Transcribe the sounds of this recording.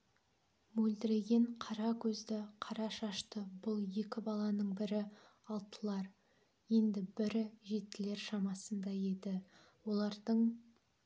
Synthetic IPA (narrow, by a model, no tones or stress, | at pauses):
mɵld̪ɪɾe̞ɡʲe̞ɴqʰɑɾɑkʲʰɵzd̪ɪqʰɑɾɑʃɑʃt̪əbʊlˠje̞kʲɪbɑlˠɑnəɴbɪɾɪ | ɑlˠt̪ʰəlˠɑɾ | je̞nd̪ɪbɪɾɪʒe̞t̪ːɪle̞ɾʃɑmɑsənd̪ɑje̞d̪ɪ | wo̞lˠɑɾd̪əɴ